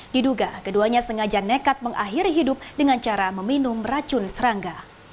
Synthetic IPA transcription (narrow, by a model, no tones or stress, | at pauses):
diduɡakəduaɲasəŋad͡ʒanekat̪̚məŋʔa̰ɦiɾiɦidʊp̚dəŋant͡ʃaɾaməminʊmrat͡ʃʊnsəɾaŋɡa